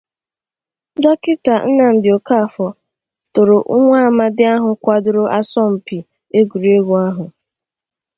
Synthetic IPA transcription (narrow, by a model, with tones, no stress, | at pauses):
d͡ʒɔ˦kɪ˦ta˨n̩˦na˨m̩˨dɪ˨o˨ka˦˨fɔ˨ | tʊ˨ɾo˨ʔʊ˦ŋʷa˦a˨ma˦dɪ˦a˦ɦʊ˨kʷa˦dʊ˦ɾʊ˦ʔa˦sɔ˦m̩˨pi˨ | e˦ɡu˨ɾi˨e˦ɡu˨a˦ɦʊ˨